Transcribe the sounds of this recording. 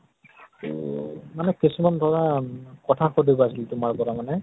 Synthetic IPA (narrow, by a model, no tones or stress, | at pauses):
ṵmanɛkisimandʱaɹakɔtʰaxʰodibɔasiltʊmaɹbɔɾamanɛ